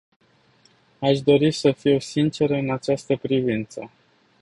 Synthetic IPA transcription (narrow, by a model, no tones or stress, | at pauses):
aʃd̪o̞ɾisəfiosint͡ʃe̞ɾəɨnat͡ʃast̪əpɾivint̪sə